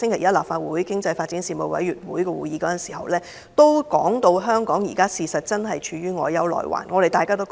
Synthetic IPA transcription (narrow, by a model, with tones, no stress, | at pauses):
sɪ˥ŋkʰe˨˩jɐ˥t̚laː˨p̚faː˧t̚wuː˨˥jkɪ˥ŋt͡sɐ˧jfaː˧t̚t͡siː˨˥nsiː˧mo˨˧wɐ̰˨˥jyː˨t̚wuː˨˥jkɛː˧wuː˨˥jiː˨˧˥kɔː˨˥jɐ˨nsiː˨˩hɐ̰˨wlɛː˥ | t̪o˥wkɔː˨˥ŋt̪o˧wɦœː˥ŋkɔː˨˥ŋjḭː˨˩kaː˥siː˨sɐ˨t̚t͡sɐ˥nɦɐ˨jt͡ʃʰyː˨˧ɥyː˥ŋɔː˨˧jɐ˨˥wlɔ̰ː˨jwa̰ː˨˩nŋɔː˨˧ɾe˨˩jt̪aː˨kaː˥t̪o˥w